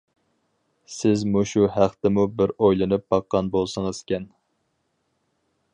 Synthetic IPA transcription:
sɪzmuʃuɦæχt̪ɪmubɪɾojlˠɨnɨp̚b̥ɑqːɑnbolˠsɨŋɨz̥kʲɛn

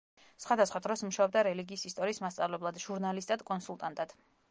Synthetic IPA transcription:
sχwad̪asχwad̪ɾɔsmuʃaɔb̚d̪aɾɛliɡiːsist̪ʼɔɾiːsmast̪sʼavlɛblˠad̪ʒ̥uɾnalist̪ʼad̪̥kʼɔnsulˠt̪ʼant̪ʼad̪̥

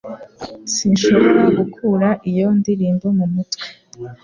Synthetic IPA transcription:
sinʃo̞βo̞ɾaɡukʰuːɾaʔijo̞ndiɾiːmbo̞mumutwe̥

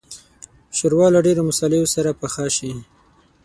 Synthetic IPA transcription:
ʃəɾwɑlaɖeɾomʊsɑlejosaɾapaxɑʃi

